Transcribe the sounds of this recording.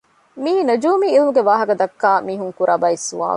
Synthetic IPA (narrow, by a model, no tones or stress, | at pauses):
miːnɐd͡ʒuːmiːilmuɡeʋaːɦɐkɐd̪ɐkːaːmiːɦuŋkuɾʔɐbɐisṵa̰ːl